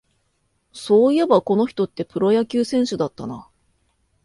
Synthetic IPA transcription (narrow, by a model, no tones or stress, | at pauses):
so̞ːije̞bako̞no̞çʲi̥t̪o̞t̪ːe̞pɯ̟ɾo̞jakʲɨːsẽ̞ɰ̃ɕɨd̪at̪ːana